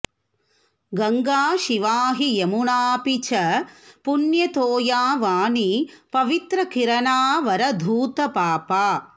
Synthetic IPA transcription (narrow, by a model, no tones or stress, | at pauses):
ɡɐŋɡaːʃiʋaːɦiemuɳaːpit͡ʃɐpunjɐt̪oːjaːʋaːnipɐʋit̪ɾɐkiɾɐnaːʋɐɾɐd̪ʱuːt̪ɐpaːpaː